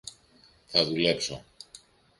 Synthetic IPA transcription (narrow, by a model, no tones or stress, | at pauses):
θɐðule̞pso̞̰